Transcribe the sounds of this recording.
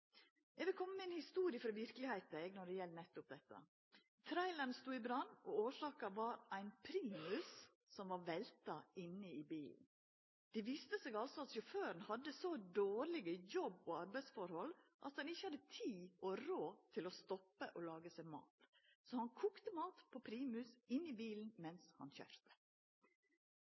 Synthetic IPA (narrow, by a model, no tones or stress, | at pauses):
ɛɡʋɪlkʰɔmːəmɛɪnhɪst̪uːɾɪəfɾɑʋɪɾkəlɪhæɪt̪ɛɡnɔɖɛjɛlnɛt̪ːʊp̚d̪ɛt̪ːə̰ | t̪ʰɾæɪləɳst̪uːɪbɾɑnːɔoːʂɑːkɑʋɑɾæɪnpʰɾiːmʉs | sɔmʋɑɾʋɛlt̪ɑɪnːəɪbiːln̩ | d̪̥ɛʋiːst̪əseːɡɑlsɔɑt̪jʊføːɾnhɑd̪ːəsɔd̪oːɾɭɪɡəjɔbːoːɑɾbæɪsfɔɾhɔlʔɑ̰t̪d̪ɑnɪçəhɑd̪ːət̪ʰiːʔoːɾoːt̪ʰɪloːst̪ɔpəʔoːlɑːɡəsæmɑ̰ːt̪soːhɑnkʰuːkt̪əmɑːt̪pʰoːpʰɾiːmʉsɪnːiːbiːln̩mɛnshɑ̰nçœ̰ɾt̪ə̥